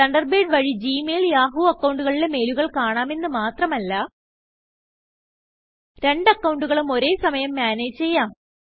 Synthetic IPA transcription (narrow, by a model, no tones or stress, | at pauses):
ɐɳɖɐrbeːɖʋɐɻid͡ʑiːmeːljaːɦuːɐkːɐwɳɖuɣɐɭile̞me̞ːluɣɐɭkaːɳaːme̞nːɨmaːt̪rɐmɐlːɐ | ɾe̞ɳɖɐkːɐwɳɖuɣɐɭumo̞ɾe̞ːsɐmɐjɐmːaːne̞ːd͡ʑt͡ɕe̞jːaːm